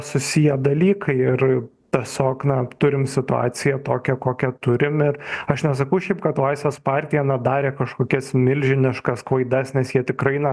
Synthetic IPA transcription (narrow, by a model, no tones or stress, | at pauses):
sʊsʲɪjɛd̪ɐlʲiːkʰɐɪɪr | t̪ʲisʲoːknɐt̪ʊɾʲɪmsʲɪt̪ʊɑ̰ːsʲɪjɛt̪oːkʲɛkoːkʲɛt̪ʊɾʲɪmɪɾɐʃnʲɛs̬ɐkɐʊʃʲɛɪp̚kɐt̪ʋɑɪsʋʲoːspɑːɾʲt̪ʲɪjɛnɐd̪ɑːɾʲeːkɐʃkoːkʲɛsmʲɪlʲʒʲɪnʲɪʃkɐskʋɐɪd̪ɐsnʲɛsjiɛt̪ʲɪkrɐɪnɐ